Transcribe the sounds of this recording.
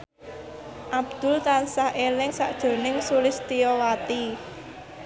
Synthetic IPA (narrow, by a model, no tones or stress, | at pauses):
ʔab̚d̪̥ʊ̤lt̪ansahʔelɪŋsaʔd̥ʒ̥o̤nɪŋsulɪst̪iɔwat̪i